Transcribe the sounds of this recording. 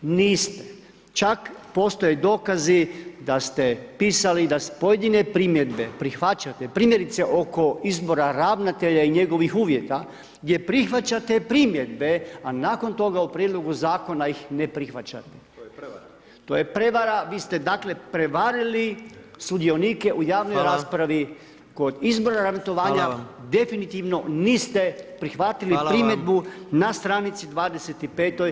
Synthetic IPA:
niːst̪e | t͡ʃakpo̞st̪o̞jed̪oːkazid̪ast̪epiːsalid̪aspo̞je̞d̪inepɾiːmje̞d̪be̞pɾixʋat͡ɕat̪epɾiːmje̞ɾit̪seʔo̞ko̞izbo̞ɾaɾaːʋnat̪e̞ʎaiɲe̞ɡo̞ʋixuːʋje̞t̪a | ɡd̪ʲje̞pɾixʋat͡ɕat̪e̞pɾimje̞d̪̚be̞anaːko̞nt̪o̞ɡaupɾjed̪lˠo̞ɡuzaːko̞najixnepɾixʋat͡ɕa̰t̪e | t̪oːjepɾe̞ʋaɾaʋiːst̪e̞d̪akle̞pɾe̞ʋaɾilisud̪io̞niːke̞ʔujaːʋnojɾaːspɾaʋi | ko̞d̪izbo̞ɾaɾamet̪o̞ʋaːɲad̪e̞finit̪iʋno̞niːst̪e̞pɾixʋat̪ilipɾimje̞d̪bunast̪ɾanit̪sid̪ʋaːd̪eset̪ipeːt̪oj

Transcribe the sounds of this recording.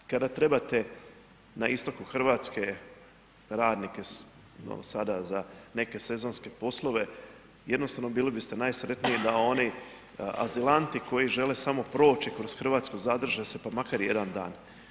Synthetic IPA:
kad̪at̪ɾe̞bat̪e̞ | naist̪o̞kuxr̩ʋaːt̪ske̞ | ɾaːd̪nike̞ | o̰sad̪azane̞ke̞se̞zo̞nske̞po̞slˠo̞ʋe̞ | je̞d̪nost̪aʋno̞biːlibist̪e̞najsɾe̞t̪niid̪ao̞ni | a̰zilant̪iko̞jiʒe̞lesamo̞pɾo̞ːt͡ʃikɾo̞sxr̩ʋaːt̪skozad̪r̩ʒase̞pamakaɾje̞d̪and̪a̰ːn

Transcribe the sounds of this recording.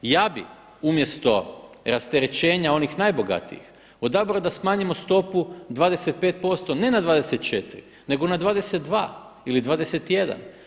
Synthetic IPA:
jabḭ | umje̞st̪o̞ | ɾast̪eɾe̞t͡ʃeːɲao̞nixnajbo̞ɡa̰t̪ḭḭx | od̪abɾaod̪asmaːɲimo̞st̪o̞pud̪ʋaːd̪e̞set̪̚peːt̪̚po̞st̪o̞ne̞nad̪ʋaːd̪e̞set̪t͡ʃet̪ɾḭ | ne̞ɡo̞nad̪ʋaːd̪e̞set̪̚d̪ʋa̰ː | ilid̪ʋaːd̪ese̞t̪je̞d̪a̰n

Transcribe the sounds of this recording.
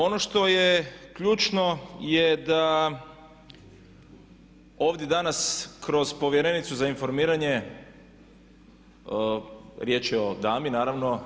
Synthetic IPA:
o̞no̞ʃt̪o̞jekʎuːt͡ʃno̞jed̪a | o̞ːʋd̪je̞d̪anaskɾo̞z̥po̞ʋjeɾe̞nit̪suzainfo̞ɾmiːɾaɲe̞ | ɾje̞ːt͡ʃɛo̞d̪aːminaːɾaʋno̞

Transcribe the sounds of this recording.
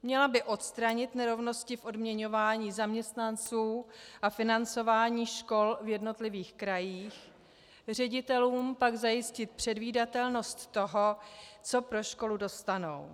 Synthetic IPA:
mɲɛlabɪʔo̞t̪st̪ɾaɲɪt̪nɛɾo̞vno̞scɪfʔo̞dmɲɛɲo̞vaːɲiːzamɲɛst̪nant͡suːʔafɪnant͡so̞vaːɲiːʃko̞lvjɛdno̞t̪lɪviːxkɾajiːx | r̝ɛɟɪt̪ɛluːmpaɡzajɪscɪt̪̚pr̝̥ɛdviːdat̪ɛlno̞st̪ːo̞ɦo̞t͡so̞pɾo̞ʃko̞ludo̞st̪ano̞̰w

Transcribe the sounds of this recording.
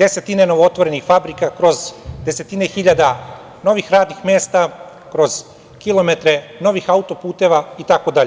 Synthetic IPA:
d̪̥e̞se̞t̪ineno̞ʋoot̪ʋo̞ɾe̞nixfabɾikakɾo̞zd̪e̞se̞t̪inexiʎad̪a | no̞ʋixɾaːd̪nixmʲjeːst̪a | kɾo̞z̥ | kilo̞me̞t̪ɾe̞no̞ʋixaut̪o̞puːt̪e̞ʋait̪ako̞d̪aʎe

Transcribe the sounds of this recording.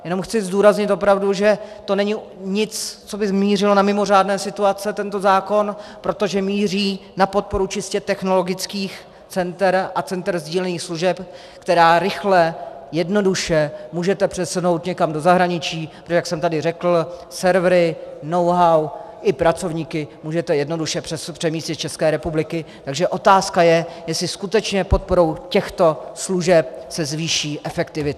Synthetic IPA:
jɛno̞mxt͡sɪzduːɾazɲɪt̪o̞pɾavduʒɛt̪o̞nɛɲɪɲɪt͡st͡so̞bɪzmiːrɪlonamɪmo̞r̝aːdnɛːsɪt̪uat͡sɛt̪ɛnt̪o̞zaːko̞npɾo̞t̪o̞ʒɛmiːr̝iːnapo̞t̪̚po̞ɾut͡ʃɪscɛt̪ɛxno̞lo̞ɡɪt͡skiːx | t͡sɛnt̪ɛɾʔat͡sɛnt̪ɾzɟiːlɛniːxsluʒɛp | kt̪ɛɾaːɾɪxlɛjɛdno̞duʃɛmuːʒɛt̪ɛpr̥ɛsuno̞wt̪ɲɛkamdozaɦɾaɲɪt͡ʃiːppɾotoʒɛjaksɛmt̪adɪrɛkl̩sɛɾvɾɪno̞wɦawʔɪpɾat͡so̞vɲiːkɪmuːʒɛt̪ɛjɛdno̞duʃɛpr̥ɛspr̝̥ɛmiːscɛt̪̚t͡ʃɛskɛːɾɛpublɪkɪ | t̪aɡʒɛʔo̞t̪aːskajɛjɛsɪskut̪ɛt͡ʃɲɛpo̞t̪̚po̞ɾo̞wcɛxt̪o̞sluʒɛp̚sɛzviːʃiːʔɛfɛkt̪ɪvɪt̪

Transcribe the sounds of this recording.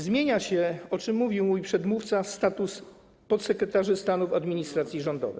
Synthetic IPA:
zmʲjeɲaɕɛɔt͡ʂɘmːuvʲiwmujpʂɛd̪muft̪sast̪at̪us | pɔt̪sɛkɾɛt̪aʐɘst̪anufad̪mʲiɲist̪ɾat̪sʲjiʐɔnd̪ɔ̰vɘ̰

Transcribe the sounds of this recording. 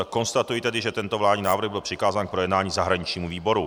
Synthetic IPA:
ko̞nst̪at̪ujit̪ɛdɪʒɛt̪ɛnt̪ovlaːdɲiːnaːvɾr̩ɣbɪlpr̥ɪkaːzaːnk̚pɾojɛdnaːɲiːzaɦɾaɲit͡ʃɲiːmuviːbo̞ɾu

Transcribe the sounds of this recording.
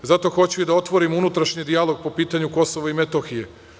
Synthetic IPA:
zat̪o̞xo̞t͡ɕued̪ao̞t̪ʋo̞ɾimunut̪ɾaʃɲid̪ialˠo̞ɡ̚po̞piːt̪aɲuko̞soʋoimet̪oxije

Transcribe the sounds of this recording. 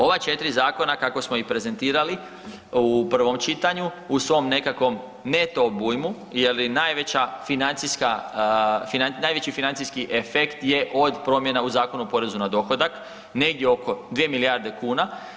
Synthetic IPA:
o̞ʋat͡ʃe̞t̪ɾizaːko̞nakako̞smo̞ipɾe̞ze̞nt̪iːɾali | upr̩ʋo̞mt͡ʃit̪aɲuusʋo̞mne̞kakʋo̞m | ne̞t̪o̞buːjmu | jelinajʋe̞t͡ɕafinant̪siska | finannaːjʋe̞t͡ɕifinant̪siskiʔefe̞kt̪je̞ʔo̞d̪pɾo̞mje̞nauzaːko̞nupo̞ɾe̞zunad̪o̞xo̞d̪ak | ne̞ɡd̪jeo̞ko̞d̪ʋiemilijaɾd̪e̞kuːna

